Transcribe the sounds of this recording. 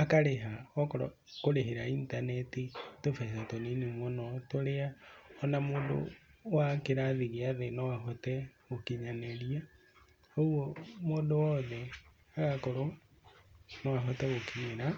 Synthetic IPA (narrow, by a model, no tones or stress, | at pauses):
akaɾeɦaɔkɔɾɔ | koɾeɦeɾaintanɛtitofɛsatoninemwɔnɔtoɾeaɔnamodo̰wakeɾaðiɣeaðenɔwaɦɔtɛɣokiɲaneɾia | owɔmodowɔðɛ | aɣakoɾo | nɔwaɦɔtɛɣokiɲeɾa